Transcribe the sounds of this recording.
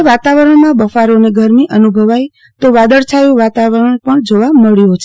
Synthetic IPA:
ʋat̪aʋəɾəɳmãbəfaɾoneɡʱəɾmiʔənubʱəʋaj | t̪oʋad̪əɭt͡ʃʰajũʋat̪aʋəɾəɳpəɳd͡ʒoʋaməɭjot͡ʃʰe

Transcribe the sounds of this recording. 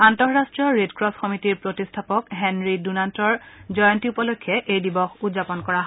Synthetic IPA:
antɔɹɹastɹijɔɹedkɹɔsxɔmitiɹpɹotistʰapɔkɦɛnɹidunantɔɹzɔjɔntiupɔlokʰːɛʔejdibɔxudzapɔnkɔɹaɦ

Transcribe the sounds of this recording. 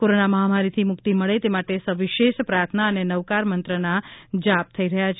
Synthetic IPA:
koɾonaməɦamaɾit̪ʰimʊkt̪iməɭet̪emaʈesəʋiʃeʃpɾajt̪ʰnaənenəʋkaɾmənt̪ɾənad͡ʒap̚t̪ʰəiɾəɦjat͡ʃʰ

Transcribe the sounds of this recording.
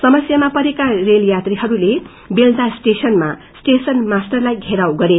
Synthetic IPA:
sʌmʌsjamapʌɾekareljat̪riɦʌɾule | beld̪asʈesʌnma | sʈesʌnmasʈʌrlajɡʱeɾawɡʌɾe

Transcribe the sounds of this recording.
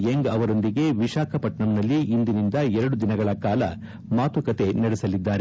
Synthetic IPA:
eŋɡɐʋɐɾo̞nd̪iɡe̞ʋiʃaːkʰɐpɐʈɳɐmnɐlːiːnd̪inind̪ɐɛɾɐɽud̪inɐɡɐɭɐkaːlɐ̰ | maːt̪ukɐt̪e̞nɐɽesɐlid̪ːaːɾe

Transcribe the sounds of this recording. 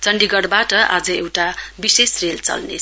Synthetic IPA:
t͡sʌɳɖiɡʌɽbaʈʌʔa̰d͡zʌewʈabisesrelt͡sʌ̰lne

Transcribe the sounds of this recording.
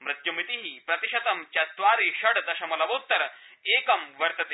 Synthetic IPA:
mɾɪt̪jumit̪iɦipɾɐt̪iʃɐt̪ɐmt͡ʃɐt̪ʋaːɾiʃɐɽd̪ɐʃɐmɐlɐʋoːt̪ːɐɾɐeːkɐmʋɐɾt̪ɐt̪e

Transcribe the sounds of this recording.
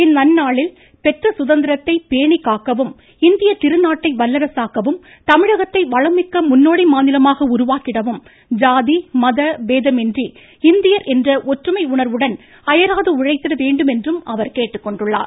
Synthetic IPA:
ɪnːɐnːaːɭɪl | pɛʈrɐsʊðɐnd̪ɪɾɐt̪ːɐɪpeːɳikːaːkːɐʋɯm | ɪnd̪ɪjɐt̪ɪɾɯnaːʈːɐɪʋɐlːɐɾɐsaːkɐʋɯm | t̪ɐmɪɻɐɣɐt̪ːɐɪʋɐɻɐmɪkːɐmʊnːoːɽimaːnɪlɐmaːɣɐʊɾʊʋaːkɪɽɐʋɯm | d͡ʒaːðimɐðɐʋeːðɐmɛndri | ɪnd̪ɪjɐɾʔɛndrɐʔɔʈrɯmɐɪʊɳɐɾʋɯɽɐn | ɐjɐɾaːðɯʊɻɐɪt̪ːɪɾɐʋeːɳɖɯmɛndrɯmɐʋɐɾkeːʈːɯkːɔɳɖɯɭːa̰ːɾ

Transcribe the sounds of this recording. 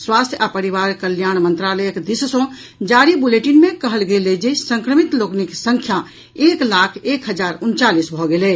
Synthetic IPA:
swast̪ʰjapəɾiʋaɾkəljañmənt̪ɾaləjəkd̪issɔ̃ | d͡ʒaɾibuleʈinmekəɦəlɡelɛd͡ʒesəŋkɾəmit̪lokniksəŋkʰja | eklakʰekɦəd͡ʒaɾunt͡ʃalisbʱɔɡelɛ

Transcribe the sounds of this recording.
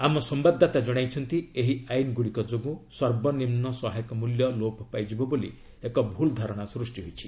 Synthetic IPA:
amɔsɔmbad̪ʱːat̪ad͡ʒɔɽ̃ajt͡ʃʰɔnt̪ieɦiajnɡuɽikɔd͡ʒoɡũsɔɾbɔnimnɔsɔɦajɔkɔmuljɔloppajd͡ʒibɔbolḭ | ekɔbʱuld̪ʱɔɾɔɽ̃asɾusʈiɦojt͡ʃʰi

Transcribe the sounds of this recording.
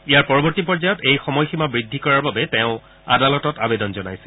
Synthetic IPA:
ijaɹpɔɹɔbɔɹtipɔɹzajɔtejxɔmɔjximabɹidʱːikɔɹaɹbabɛteʊ̃ | a̰dalɔtɔta̰bedɔnzɔnajsi

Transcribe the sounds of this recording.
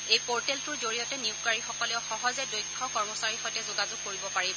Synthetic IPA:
ejpoɹtɛltʊɹzoɹijɔtɛniuʊkwaɹixɔkɔlɛʊxɔɦɔzɛdojkʰːɔkɔɹmɔsaɹixɔjtɛzʊɡazʊɡ̚koɹibɔpaɹibɔ

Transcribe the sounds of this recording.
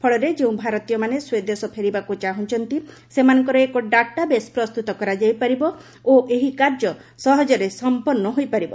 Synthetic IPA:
pʰɔɭɔɾed͡ʒeũbʱaɾɔt̪ijɔmaneswed̪esɔpʰeɾibakut͡ʃaɦũnt͡ʃʰɔnt̪i | semanɔŋkɔɾɔekɔɖaʈabespɾɔst̪ut̪ɔkɔɾad͡ʒajpaɾibɔ | oʔeɦikaɾd͡ʒɔ | sɔɦɔd͡ʒɔɾesɔmpɔnːɔɦojpaɾibɔ

